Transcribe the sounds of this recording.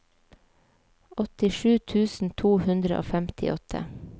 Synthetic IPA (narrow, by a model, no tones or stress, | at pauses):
ɔt̪ɪʃʉːt̪ʰʉːsn̩t̪ʰuːhʉnd̪ɾəʔo̰ːfæmt̪ʰɪ̰ʔɔt̪ʰə̰